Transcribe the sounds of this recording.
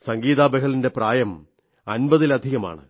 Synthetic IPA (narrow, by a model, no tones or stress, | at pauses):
sɐŋɡiːðaːbeɣɐlinde̞praːjɐm | ɐnbɐðilɐd̪ʱiɣɐma̰ːɳɨ̰